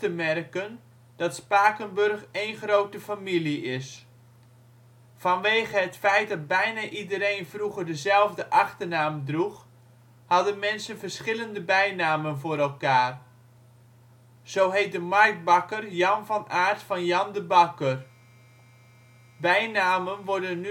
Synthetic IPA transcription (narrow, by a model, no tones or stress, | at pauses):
təmɛrkən | d̥ɑtspaːkənbɵrχejnχroːwtəfamiliɪs | fɑnʋeːɣəɦətfɛjt̚dɑd̚bɛjnaʔidəɾejnvruɣərdəzɛlˠvdəʔɑχtərnaːmdrux | hɑdənmɛnsənvərsχɪləndəbɛjnaːmənvʊːɾɛlˠkaːr | z̥owɦejt̚dəmark̚t̚bɑkərjɑnvɑnaːrtfɑnjɑndəbɑkər | bɛjnaːmənʋɔɹdənːy